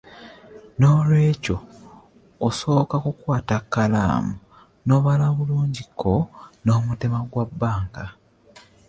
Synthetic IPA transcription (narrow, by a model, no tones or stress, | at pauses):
no̞lwe̞ːco̞ː | so̞ːkakukwaːtakːala̰ːmu | no̞βalaβuluːɲɟikʰːono̞ːmute̞maɡwabːaːŋka